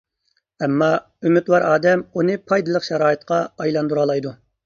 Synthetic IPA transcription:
ɛmːɑ | ymyt̪wɑɾɑːd̪ɛmunɨpʰɑjd̪ɨlˠəqʃɛɾɑːɨt̪qʰɑɑjlˠɑnd̪uɾɑlˠɑjd̪u

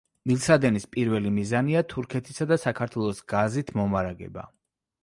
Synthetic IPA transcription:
milˠsad̪ɛnispʼiɾvɛlimizaniat̪ʰuɾkʰɛt̪ʰisad̪asakʰaɾt̪ʰwɛlˠɔsɡazit̪ʰmɔmaɾaɡɛ̰ba̰

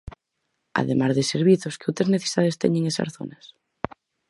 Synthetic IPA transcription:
a̰ðemaɾðeseɾβiθoskeowt̪ɾezneθe̥iðaðest̪ɛ̰ɲeŋesa̰ɾθo̰nas

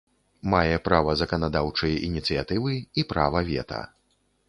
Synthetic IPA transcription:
majɛpɾavɐzɐkɐnad̪awt͡ʂɐjɛʔinʲit̪sɨjat̪ɨvɨipɾavɐvʲɛ̰t̪ʰɐ̰

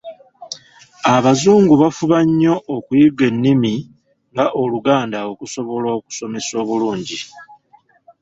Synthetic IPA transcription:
aβazuːŋɡuβafuβaɲːo̞ʔːkujiɡe̞nːimi | ŋɡaʔo̞luɡaːndaokuso̞βo̞lo̞ːku̥so̞me̞so̞ːβuluːɲɟi

